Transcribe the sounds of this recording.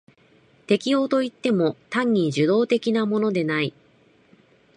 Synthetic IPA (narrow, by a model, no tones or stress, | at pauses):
t̪e̞kʲio̞ːt̪o̞it̪ːe̞mo̞t̪ãɲ̟ʲːiʑɨd̪o̞ːt̪e̞kʲinamo̞no̞d̪e̞nai